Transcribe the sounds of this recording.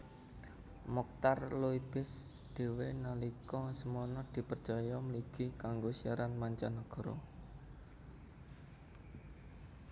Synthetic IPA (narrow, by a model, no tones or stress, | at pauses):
mɔk̚t̪arluib̥ɪ̤sd̪̥e̤wenalikɔsəmɔnɔd̪̥i̤pərt͡ʃɔjɔməliɡ̥i̤kaŋɡosiaɾanmaɲt͡ʃanɔɡ̥ɔ̤ɾɔ̰